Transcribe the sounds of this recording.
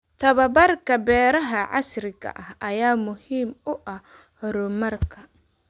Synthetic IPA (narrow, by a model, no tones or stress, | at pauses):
t̪ʰɐβɐbɐrkʰɐbɛːɾɐɦɐʕɑ̰srɪɣɐ̰ʔɐhɐjaːmʊhiːmʊʔɐh | hɔɾʊmɐrkʰɐ